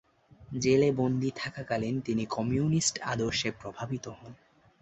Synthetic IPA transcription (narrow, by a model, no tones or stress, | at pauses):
d͡ʑelebond̪ʱit̪ʰakakalent̪inikɔmiunisʈa̰d̪oɾʃepɾobʱabit̪ohɔn